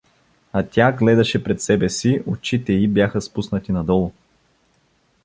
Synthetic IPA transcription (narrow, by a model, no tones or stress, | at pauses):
ɐt̪ʲaɡlɛd̪ɐʃɛpɾɛt̪sɛbɛsiot͡ʃit̪ɛibjaxəspusnət̪inɐd̪ɔlˠʊ